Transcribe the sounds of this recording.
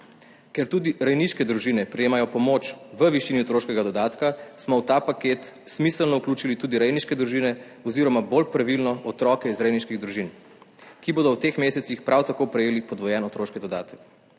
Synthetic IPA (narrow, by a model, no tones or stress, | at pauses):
kɛɾt̪uːd̪iɾajniʃkɛd̪ɾuʒiːnɛpɾɛjeːmajɔpɔmoːt͡ʃʋəʋiʃiːniɔt̪ɾoːʃkɛɡad̪ɔd̪aːt̪kasmɔwt̪aːpakeːt̪ | smisəlnɔukluːt͡ʃilit̪uːd̪iɾɛjniʃkɛd̪ɾuʒiːnɛ | ɔziɾɔmabolpɾaʋilnɔʔɔt̪ɾɔːkɛizɾɛjniʃkiɣd̪ɾuʒin | kiboːd̪ɔwt̪eːxmeːsɛt̪sixpɾʔawt̪akopɾɛjeːlipɔd̪ʋɔjɛnɔt̪ɾoːʃkɛd̪ɔd̪aːt̪ə̥k